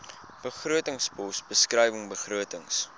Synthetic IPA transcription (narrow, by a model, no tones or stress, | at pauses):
b̥əχruətəŋspɔsbəskrəjvəŋbəχruətəŋs